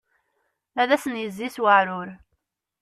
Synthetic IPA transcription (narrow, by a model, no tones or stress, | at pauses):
æðæsənjəzːiswəʕɾʊɾ